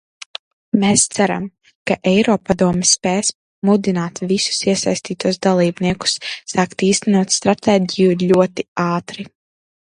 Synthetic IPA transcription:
meːst̪sæɾa̰m | kaʔɛjɾɔːpad̪uɔmɛspɛːs | mud̪inaːt̪visu̥siɛsajsʲt̪iːt̪uɔsd̪alˠiːbniɛku̥sːaːkt̪iːst̪ɛnuɔt̪st̪ɾat̪ɛːɟʲijulʲuɔt̪iaːt̪ɾi

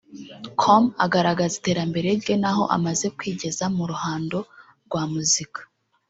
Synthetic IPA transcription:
kʰomaɡaɾaɡazite̞ːɾambe̞ɾe̞ɡe̞naɦo̞̰ʔa̰maze̞kwiːɟe̞zamuɾuhaːndo̞ | ɾɡwaːmuzikḁ

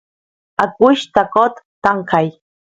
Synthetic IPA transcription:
akʊʃt̪akot̪ːaŋkaj

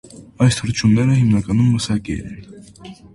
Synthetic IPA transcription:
ɑjshəɾt͡ʃʰumnɛɾəɦimnɑkɑnumːəsɑkɛ̰ɛ̰n

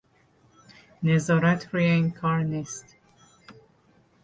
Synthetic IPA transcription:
nezɒːɾæt̪ʰɾieŋkʰɒɾnist̪

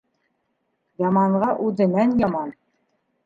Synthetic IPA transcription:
jɑmɑɴʁɑʔʉðɘ̆nænjɑmɑn

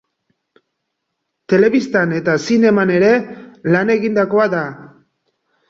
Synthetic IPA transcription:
t̪e̞le̞βist̪ane̞t̪asine̞mane̞ɾe̞lane̞ɣind̪ako̞aða

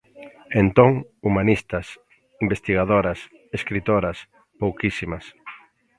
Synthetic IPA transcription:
ent̪oŋumanist̪ɐs | imbest̪iɣaðoɾɐs | eskɾit̪oɾɐs | powkisimɐs

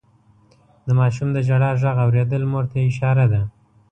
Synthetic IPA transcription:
d̪əmɑʃumd̪əd͡ʒaɽɑʒaɣawɾed̪əlmoɾt̪aɪʃɑɾad̪a

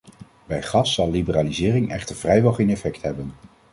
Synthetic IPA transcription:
bɛjχɑsːɑlˠlːibəraːlizɪːrɪŋʔɛ̰χtəɹv̥rɛjʋɛlˠχejnɛfɛktɦɛbən

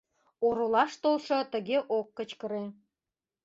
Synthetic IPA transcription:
oɾolɑʃt̪olʃŏt̪əɣeʔokːət͡ɕkəɾe

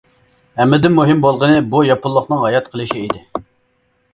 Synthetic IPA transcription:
hæmːɪd̪ɪnmːuɦɪmbolˠʁənɨbujɑpʰʊlˠːʊχnɨŋɦɑjɑt̪qʰəlˠɨʃiid̪ɪ

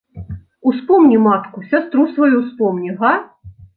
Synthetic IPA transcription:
uspɔmnʲimat̪kusʲast̪ɾusvɐjuspɔmnʲiɣa

